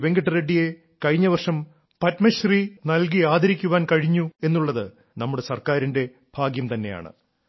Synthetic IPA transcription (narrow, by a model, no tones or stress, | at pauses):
ʋe̞ŋɡɐʈːɨɾeɖːije̞ | kɐɻiɲːɐʋɐrʂɐm | pɐtmɐɕriːnɐlk̬iaːd̪ʱɐɾikʲːuʋaːnkɐɻiɲːue̞nːuɭːɐðɨ | nɐmːuɽe̞sɐrkaːɾinde̞ | bʱaːɡjɐmt̪ɐnːe̞̰ja̰ːɳɨ̰